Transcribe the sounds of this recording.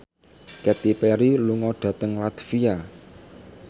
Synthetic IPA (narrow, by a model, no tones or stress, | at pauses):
kɛt̪ipɛɾiluŋɔɖ̪̥ä̤t̪əŋlat̪fia